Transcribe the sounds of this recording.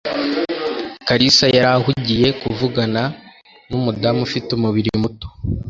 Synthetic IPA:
kaɾisajaɾahuɟije̞kuvuɡana | numudamufitumuβiɾiimuto̥

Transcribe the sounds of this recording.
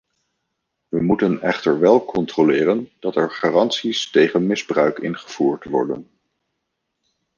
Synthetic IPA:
ʋəmutənɛχtəɹʋɛlˠkʰɔntrolɪːrənd̥ɑtɛɹχaːrɑntsistejχənmɪzbrœɥkɪnχəv̥uːɹtʋɔ̰ɹdə̰n

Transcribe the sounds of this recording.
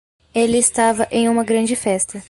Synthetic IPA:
elɪːst̪avɐʔẽj̃ũmɐɡɾɐ̃nd͡ʒɪfɛst̪ɐ

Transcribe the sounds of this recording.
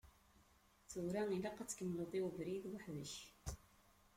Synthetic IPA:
θuɾæilaqɑt͡sːkəmləðˤɪwvɾiðwaħðəç

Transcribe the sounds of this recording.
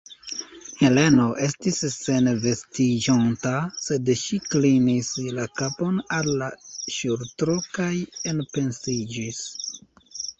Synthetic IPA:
he̞le̞no̞ʔe̞stisːe̞nve̞stid͡ʒontase̞dʃiklinislakapo̞nalːaʃuɾtɾo̞kaje̞npe̞nsid͡ʒis

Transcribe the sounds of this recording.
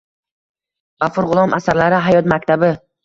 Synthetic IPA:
ʁafʊɾʁʊlˠɒmasaɾlaɾɪɦajɒt̪mak̚ʲt̪ʰabɪ

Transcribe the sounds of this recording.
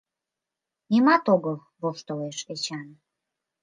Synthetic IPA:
nʲemɑt̪oɡəl | βoʃt̪oleʃet͡ɕɑn

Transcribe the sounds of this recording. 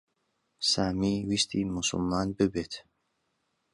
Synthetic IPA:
saːmiːwist̪ʰimʊsʊ̰lmaːnbɨbeːt̪

